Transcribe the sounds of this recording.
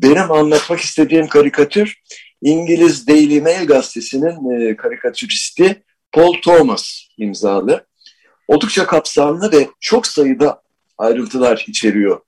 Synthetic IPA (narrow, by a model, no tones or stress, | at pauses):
be̞nimanlˠat̪maki̥st̪ʰe̞d̪iːmkʰaɾikʰat̪ʰyɾ̥ | iɲɟilʲizd̪ejlʲimɛlʲɡast̪ʰe̞sininkʰaɾikʰat̪ʰyɾist̪ʰi | pʰo̞lˠt̪ʰo̞masimzaːlˠɯ | o̞lˠd̪uk̚t͡ʃʰakʰapsanlˠɯvɛt͡ʃʰo̞ksajɯd̪a | ajɾɯnt̪ʰɯlˠaɾit͡ʃʰe̞ɾijo̞